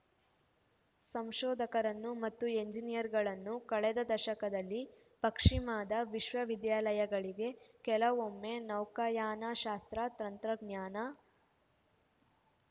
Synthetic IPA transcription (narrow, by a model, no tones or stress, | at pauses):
sɐmʃɔːd̪ʱɐkɐɾɐnːumɐt̪ːue̞ɲd͡ʒinijɐɾɡɐɭɐnːukɐɭɛd̪ɐd̪ɐʃɐkɐd̪ɐlːi | pɐkʂimaːd̪ɐʋiʃʋɐʋid̪jaːlɐjɐɡɐɭiɡe̞kɛlɐʋomːenɐwkɐjaːnaʃaːst̪ɾɐt̪ɾɐnt̪ɾɐɡɲjaːnɐ